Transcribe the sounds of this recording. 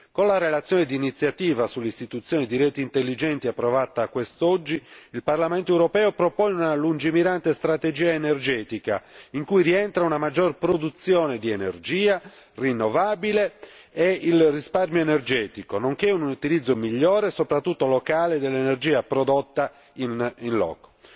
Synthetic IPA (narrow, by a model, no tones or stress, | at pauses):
konlarelat̪sːjɔːned̪iːnit̪sːjat̪iːvasulːeist̪it̪ut̪sːjɔːnid̪iɾɛːt̪iːnt̪elːid͡ʒɛnt̪iapːɾɔvat̪akːwest̪od͡ʒːiilparlament̪oewɾopɛːopɾopɔːneunalund͡ʒimiɾant̪est̪ɾat̪ed͡ʒiːaenerd͡ʒɛːt̪ika̰iŋkujɾiɛnt̪ɾaunamad͡ʒːorpɾod̪ut̪sːjoːned̪ienerd͡ʒiːa | rinːovaːbile | eilrisparmjoenerd͡ʒɛːt̪ikonoŋkeunuut̪ilid̪zːomiʎːɔːɾesopɾat̪ːut̪ːolokaːled̪elːenerd͡ʒiːapɾod̪ot̪ːa | ininlɔ̰ːko̥